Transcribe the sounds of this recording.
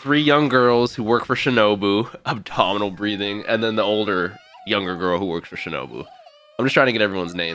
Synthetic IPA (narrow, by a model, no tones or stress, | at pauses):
θɹijʌ̃ŋɡɜ˞lˠz̥huwɜ˞kfə˞ʃɨnoʊbuʔəb̚tʰɑmənl̩ˠbɹiðɪ̃ŋɨ̰̃nðɨ̃nðioʊlˠdə˞jʌ̃ŋɡə˞ɡɜ˞lˠhuwɜ˞ksfə˞ʃɨno̰ʊbṵ | aaɪ̃md͡ʒʌtʰɹaɪ̃ŋtɨɡɛɾɛvɹiwʌ̃nznẽɪ̃